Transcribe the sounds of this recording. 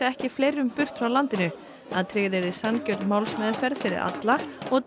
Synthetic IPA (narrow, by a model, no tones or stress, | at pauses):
aɛhcɪfleːjɾʏmpʏr̥t̪fɾawlant̪ɪnʏ | aðt̪ʰɾɪɣðɛɾðɪsancœɾt̪nmawlsmœːðʏfɛɾðfɪɾɪ̰ɾʔa̰t̪laɔɣ